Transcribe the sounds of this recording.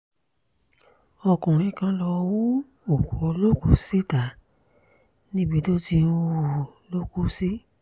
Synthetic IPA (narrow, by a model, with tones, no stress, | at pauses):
ɔ˧kũ˨ɾ̃ĩ˧kã˧lɔ˧wu˦ | o˨ko˨˦lo˦ku˨˦si˦ta˨˦ | nĩ˦bi˧˦do˦ti˧˨lo˦ku˦si˦